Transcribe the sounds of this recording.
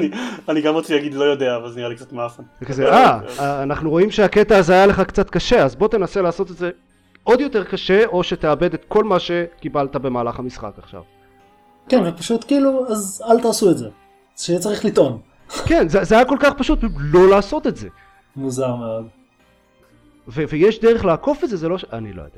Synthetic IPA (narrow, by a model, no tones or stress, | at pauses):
nianiɡamʁot͡sijaɡid̪lo̞jo̞d̪eaːvalznijalikt͡sat̪meafankzeaaːnaχnuʁo̞imʃeaket̪aːzeajaleχakt͡sat̪kaʃe̞azbo̞t̪e̞nase̞laːso̞t̪etze̞ | o̞d̪jo̞t̪eʁkaʃe̞o̞ʃe̞t̪eabed̪et̪ko̞lmaʃe̞kibalt̪abe̞maːlaχamisχa̰kaχʃa̰v | kɛnʁepaʃut̪kiːluazalt̪aːsuetze | ʃeet͡saʁiχlit̪on | kenzezeajako̞lkaχpaʃut̪̚lo̞laːso̞t̪e̞tze̞ | muzaʁmeod̪ | vevejeʃd̪eʁeχlaːko̞fetzezelo̞ʃa̰nilo̰jod̪̥a